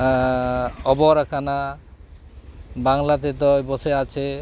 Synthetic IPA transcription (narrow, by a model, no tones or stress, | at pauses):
ɔbɔɾakʰana | baŋlat̪et̪ɔjbɔseat͡ɕʰe